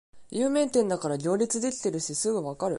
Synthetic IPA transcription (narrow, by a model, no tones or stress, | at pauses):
jɯ̟ːmẽ̞nt̪ẽ̞nd̪akaɾaɡʲo̞ːɾʲit͡sɨd̪e̞kʲi̥t̪e̞ɾɯ̟ɕisɨɡɯ̟βakaɾɯ̟